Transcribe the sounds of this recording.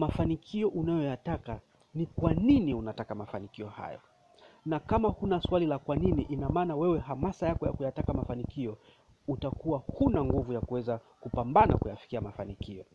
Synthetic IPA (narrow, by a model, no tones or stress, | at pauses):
mafanikʰiɔʔunajɔjataka | nikwaniniunatakamafanikiɔha̰jɔ̰ | nakamahunaswalilakwaniniʔinamaːnawɛwɛɦamasajakɔja̰kujatakamafanikiɔ | utakuwahunaŋɡuvujakuwɛzakupambana̰kujafi̥kiamafanikiɔ